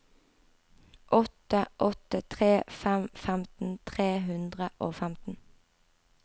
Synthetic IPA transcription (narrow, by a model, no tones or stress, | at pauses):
ʔɔt̪əʔɔt̪ət̪ʰʁeːfæmfæmt̪n̩t̪ʰʁeːɦʉnd̪ʁəʔoːfæmt̪n̩